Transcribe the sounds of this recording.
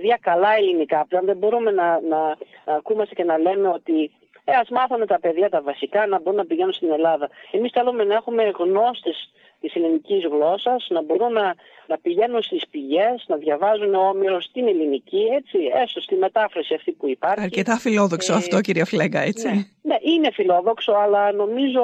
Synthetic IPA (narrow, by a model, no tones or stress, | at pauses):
pðʝɐkɐlɐelinikɐpleɐnðebo̞ɾume̞nɐnɐːkumɐst̪ece̞nɐle̞me̞o̞t̪i | eɐzmɐθome̞t̪ɐpe̞ðʝɐt̪ɐvɐsikɐnɐbo̞ɾunnɐpiʝe̞nunst̪ine̞lɐðɐe̞misθelume̞nɐe̞xume̞ɣno̞st̪e̞s | t̪iselinicizɣlo̞sɐz̥nɐbo̞ɾunːɐ | nɐpiʝe̞nunst̪ispiʝe̞znɐðʝɐvɐzuneoo̞miɾo̞st̪inelinicie̞t͡sie̞sost̪ime̞t̪ɐfɾɐsiɐft̪ipuipɐɾɐɾçice̞t̪ɐfilo̞ðoksoɐft̪o̞ciɾiɐfileɡɐet͡sine̞ʔine̞filo̞ðo̞kso̞ɐlɐno̞mizo̞